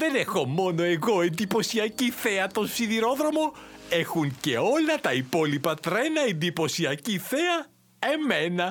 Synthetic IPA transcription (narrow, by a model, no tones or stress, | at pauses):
ðe̞ne̞xo̞mo̞no̞e̞ɣo̞end̪ipo̞siɐciθeɐt̪o̞nsiðiɾo̞ðɾo̞mo̞e̞xuŋce̞o̞lɐt̪ɐipo̞lipɐt̪ɾe̞nɐend̪ipo̞siɐciθeɐ | e̞me̞nɐ